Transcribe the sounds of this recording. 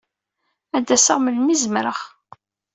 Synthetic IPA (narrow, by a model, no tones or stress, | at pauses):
æd̪ːæsəʁməlmizmɾəχ